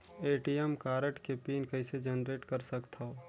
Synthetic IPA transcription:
eːʈijɛmkaːɾəʈkepiːnkɐɪsed͡ʒənɾeːʈkɐɾsɐkt̪ʰaoː

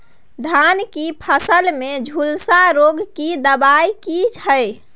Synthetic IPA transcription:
d̪ʱankipʰəsəlmed͡ʒʱulsaɾoɡkid̪əbajkit͡ʃʰəj

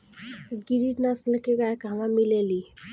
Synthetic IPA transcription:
ɡiɾinaslekeɡaekɦamamileli

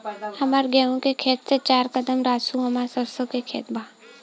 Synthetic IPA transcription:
hɐmaːɾɡɛːõkekʰeːt̪set͡ʃaːɾkəd̪əmɾaːsuɦɐmaːɾsəsəkekʰeːt̪bʱaː

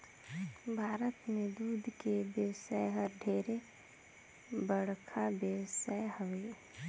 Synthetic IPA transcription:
bʱaːɾət̪mẽd̪uːd̪ʱkebjəwsaːeɦəɾɖʱeːɾe | bəɽ̤kʰabjəwsaeɦəʋe

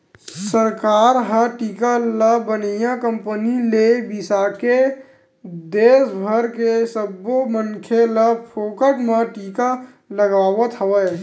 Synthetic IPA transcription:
səɾkaːɾɦəʈiːkaləbənijãkə̃mpənilebisake | d̪eːsbʱəɾkesəbomənkʰeləpʰoːkəʈmãʈiːka | ləɡaːwət̪ɦəwə

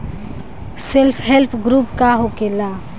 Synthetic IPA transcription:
sɪlpʰɦelpʰɡɾupkaɦokela

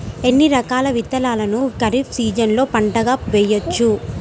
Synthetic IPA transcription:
e̞nːiɾɐkaːlɐʋit̪ːɐlaːlɐnukɐɾipsiːd͡ʒɐnlo̞ːpɐɳʈɐɡaːʋɛjːɐt͡ʃːu

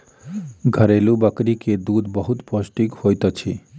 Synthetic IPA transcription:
ɡʱəɾelubəkɾiked̪ud̪bɔɦut̪pɔsʈikhojt̪at͡ʃʰi

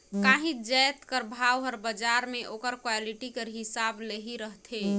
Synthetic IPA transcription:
kaɦĩd͡ʒɛjt̪kəɾbʱawɦəɾbəd͡ʒaɾmeʔokəɾkwaliʈikeɾɦisableɦiɾəɦt̪ʰe

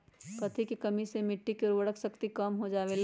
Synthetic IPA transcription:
kɐt̪ʰikikɐmisemɪʈːikeɾʋəɽəksəkt̪ikɐmɦod͡ʒaːʋel

